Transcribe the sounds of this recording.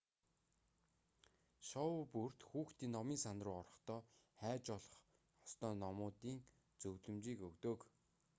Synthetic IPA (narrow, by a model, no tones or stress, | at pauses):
ʃɔwpur̥t̪xuːxt̪iːnːɔmiːnsanrʊːɔrɞ̆χt̪ɔːχæːt͡ɕɔɮɞ̆χ | ɔ̥st̪ɔːnɔmʊːt̪iːŋ | t͡sɵwɮɵ̆mt͡ɕiːkɵɣt̪oːk